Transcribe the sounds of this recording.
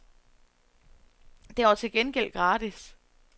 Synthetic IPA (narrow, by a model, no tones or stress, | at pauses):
d̥eɒt͡sʰe̝lɡ̥enɡ̥el̰ɡ̥ʁɑ̈ːd̥is